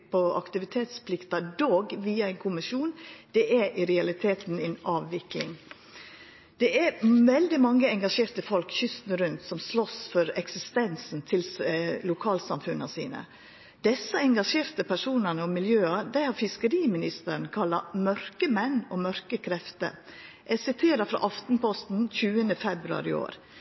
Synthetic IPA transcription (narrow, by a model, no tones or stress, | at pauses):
pʰɔɑ̰kt̪ɪʋɪt̪ʰeːt̪spʰlɪkt̪ɑd̪oːɡʋiːɑɛɪnkʰʊmɪʂuːnd̪̥ɛʔɛʔɪɾɛɑlɪt̪ʰeːt̪n̩ɛnɑːʋʋɪklɪŋ | d̪̥ɛʔæɾʋɛld̪ɪmɑŋːəɛŋɡɑʂeːɾt̪əfɔlkçʏst̪nəɾʉnt̪sɔmslɔsfɔɾɛksɪst̪ɛnsn̩t̪ʰɪllʊkʰɑːlsɑmfʉnɑsḭːnə̰ | d̪̥ɛsːəɛŋɡɑʂeːɾt̪əpʰæʂuːnənəɔmːɪljøːɑd̪æɪhɑɾfɪskəɾiːmɪnɪst̪əɾn̩kʰɑlːɑmœɾkəmɛnːoːmœɾkəkʰɾɛft̪ə̰ɾ | ʔɛsɪt̪ʰeːɾɑfɾɑ̰ːʔɑft̪n̩pɔst̪n̩c͡çʉːənəfɛbɾʉɑ̰ɾɪ̰o̰ːɾ